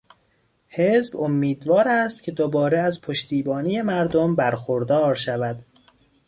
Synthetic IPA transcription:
he̞zbomːiːd̪vɒːɾæːst̪cʰe̞d̪obɒːɾeæzpʰoʃt̪ʰiːbɒːnije̞mæɾd̪ombæɾxoɾd̪ɒːɾʃævæd̪̥

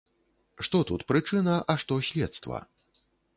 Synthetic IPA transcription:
ʂt̪ɔt̪ut̪pɾɨt͡ʂɨnɐʔɐʂt̪ɔsʲlʲɛt̪st̪vɐ̰

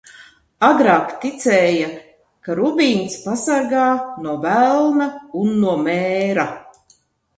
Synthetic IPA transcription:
aɡɾaːkt̪it̪sɛːja | kaɾubʲiːnspasaɾɡaːnuɔbælˠnaunːuɔmɛːɾa

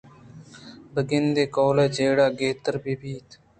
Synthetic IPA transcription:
bəɡɪnd̪eːkoːleːd͡ʒeːɽaːɡeːt̪əɾbiːbʱiːt̪

